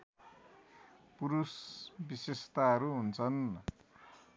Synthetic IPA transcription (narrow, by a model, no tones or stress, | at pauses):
puɾusbisest̪aɦʌɾuɦunt͡sʰʌn